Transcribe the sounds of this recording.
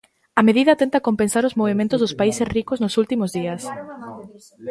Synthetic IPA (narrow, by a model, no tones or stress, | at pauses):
ɐmeðiðɐt̪ent̪ɐkompensaɾʊzmoβ̞emẽnt̪ʊzðʊspaisesrikoznosult̪imozðiɐs